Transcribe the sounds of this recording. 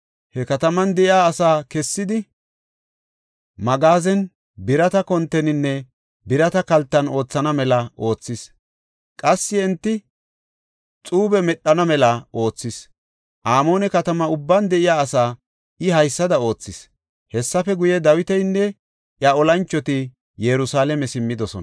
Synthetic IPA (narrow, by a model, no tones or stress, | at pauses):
hɛkɐt̪ɐmɐnd̪ɛʔɪjaːsaːkɛsːɪd̪ɪ | mɐɡaːzɛn | bɪɾɐt̪ɐkɔnt̪ːɛnɪnːɛ | bɪɾɐt̪ɐkɐlt̪ːɐno̞ːt͡sːɐnɐmɛlɐʔo̞ːt͡sːɪs | kʼɐsːɪɛnt̪ːɪ | t͡sʼuːbɛmɛɗːɐnɐmɛlɐʔo̞ːt͡sːɪs | ʔaːmo̞ːnɛkɐt̪ɐmɐʊbːɐnd̪ɛʔɪjaːsaː | ɪɦɐjsːɐd̪ɐo̞ːt͡sːɪs | hɛsːɐfɛɡʊjɛd̪ɐwɪt̪ɛjnːɛ | ʔjɐɔlɐnt͡ʃːɔt̪ɪ | jɛɾʊsaːlɛmɛsɪmːɪd̪ɔsɔ̰n